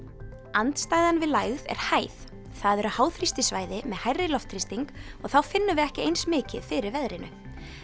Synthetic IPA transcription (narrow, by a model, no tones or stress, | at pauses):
ant̪st̪aːjðanvɪðlajɣðɛ̰ɾ̥haːjθ | θaðɛɾʏhaːwθɾist̪ɪsvaːjðɪmɛðhajrːɪlɔft̪ʰɾist̪iŋkɔɣθawfɪnːʏvɪɛhcɪejnsmɪːcɪ̰ðfɪɾɪɾvɛðɾɪnʏ̰